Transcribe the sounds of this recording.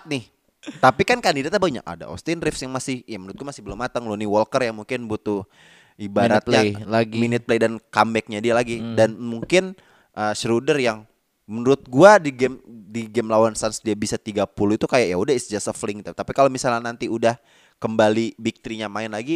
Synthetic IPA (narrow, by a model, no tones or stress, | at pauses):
t̪̚nɪh | t̪apikankandidat̪ːabaɲa̰ka̰da̰ʔo̰st̪ɪnrɪfsjaŋmasɪhjamənuɾʊt̪̚ɡuamasɪ̥hbəlʊmːat̪əŋluniwɔlkərjaŋmuŋkɪnbut̪u | ibaɾat̪ɲalaɡiminɪt̪̚plejdankambɛk̚ɲadialaɡidanmuŋkɪn | ʔəʃɾudərjaŋ | mənuɾʊt̪̚ɡuadiɡɛmdiɡɛmlawansansdiabisat̪iɡapuluit̪ukajajaudahisd͡ʒasəflɪŋit̪ut̪apikalomisalɲanant̪iudah | kəmbalibik̚t̪ɾiɲamaɪnlaɡi